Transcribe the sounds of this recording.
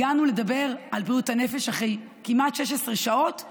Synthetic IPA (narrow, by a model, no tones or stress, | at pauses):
anule̞dabe̞ʁalbiutanefe̞ʃaχej | kimatʃeʃesʁeʃao̞t